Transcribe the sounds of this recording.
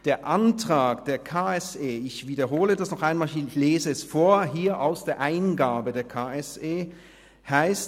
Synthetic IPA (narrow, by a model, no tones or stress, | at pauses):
d̥eːɐʔantʁ̥aːkd̥eːɐkʰaːɛseːɪçv̥iːdɐɦoːlədasnɔχʔaɪnmaːlɪçleːzəɛsfoːɐɦiːɐʔaʊsd̥eːɐʔaɪnɡaːbədeːɐkʰaːɛseː | haɪst